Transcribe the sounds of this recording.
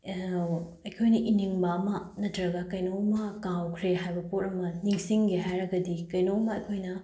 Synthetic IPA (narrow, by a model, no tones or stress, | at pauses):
ɐjkʰojnɐʔiniŋbɐːmɐnɐtɾɐɡɐkɐjnowmɐkãwkʰɾeɦajbɐpoɾɐmɐniŋsiŋɡeɦajɾɐɡɐdikɐjnowmɐɐjkʰojnɐ